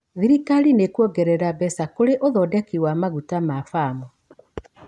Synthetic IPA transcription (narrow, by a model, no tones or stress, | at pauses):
ðiɾikaɾinekwɔɡɛɾɛɾabɛsakoɾeʔoðɔdɛkiwamaɣutamafaːmɔ